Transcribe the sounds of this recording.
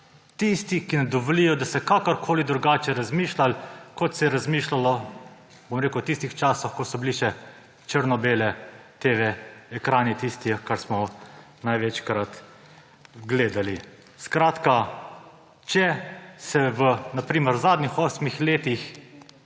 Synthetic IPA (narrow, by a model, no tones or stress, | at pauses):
t̪ist̪ikinɛd̪ɔʋɔlijɔd̪asɛkakɔɾkʰoːlid̪ɾuɡaːt͡ʃɛɾazmiːʃlalkɔt̪sɛɾazmiːʃlalɔ | bomɾeːkuwt̪ist̪ixt͡ʃaːsɔxkɔsɔbiliʃɛ | t͡ʃəɾnɔbeːlɛt̪eʋɛɛkɾaːnit̪ist̪iɛkaɾsmɔ | najʋɛt͡ʃkɾat̪ | ɡleːd̪ali | skɾaːt̪ka | t͡ʃɛsɛʋənapɾiːməɾzaːd̪nixɔsmixleːt̪ix